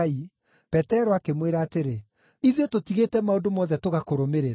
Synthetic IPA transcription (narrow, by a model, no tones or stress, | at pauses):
i | pɛtɛɾɔakemweɾaːteɾe | iðiototiɣetɛmaondomɔðɛtoɣakoɾomeɾeɾ